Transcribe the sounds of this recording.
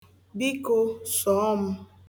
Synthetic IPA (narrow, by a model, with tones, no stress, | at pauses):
bi˦ko˦sɔ˨˦ɔ˦m̩˦